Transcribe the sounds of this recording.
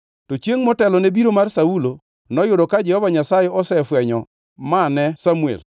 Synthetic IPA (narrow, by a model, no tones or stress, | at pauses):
tot͡ʃjeŋmɔtɛlɔnebiɾomarsaulo | nɔjʊdɔkad͡ʒɛhɔvaɲasajɛɔsɛfwɛɲɔ | manɛsamuḛl